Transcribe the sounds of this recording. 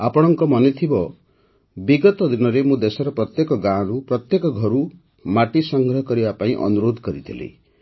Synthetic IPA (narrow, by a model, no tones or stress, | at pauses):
apɔɽ̃ɔŋkɔmɔnet̪ʰibɔ | biɡɔt̪ɔd̪inɔɾemũd̪esɔɾɔpɾɔt̪jekɔɡãɾupɾɔt̪jekɔɡʱɔɾu | maʈisɔŋɡʱɾɔɦkɔɾibapaĩʔɔ̰nuɾod̪ʱkɔɾit̪ʰilḛ